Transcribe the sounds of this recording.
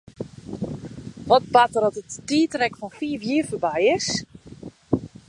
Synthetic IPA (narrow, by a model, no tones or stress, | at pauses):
ʋɔt̚batərɔtəttiːtrɛkfɔnfiːəfjiːərfərbɛjɪs